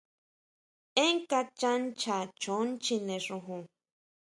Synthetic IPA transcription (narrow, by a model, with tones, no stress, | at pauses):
ẽ˦ŋka˧t͡ʃa˦nt͡ʃa˨t͡ʃo˨˦nt͡ʃi˧nẽ˨ʂu˧ɦũ˨